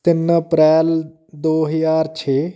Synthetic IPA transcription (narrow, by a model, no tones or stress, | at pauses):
t̪ɪnəpɾɛːl | d̪oːɦəjaːɾt͡ʃʰeː